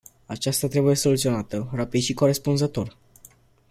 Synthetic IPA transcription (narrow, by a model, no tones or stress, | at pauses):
at͡ʃast̪at̪ɾe̞buje̞so̞lut̪sio̞nat̪ərapid̪ʃiko̞ɾe̞spunzət̪o̞r